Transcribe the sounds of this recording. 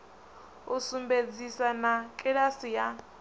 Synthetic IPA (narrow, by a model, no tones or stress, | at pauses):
usumbed͡zisanakʼɛɺasija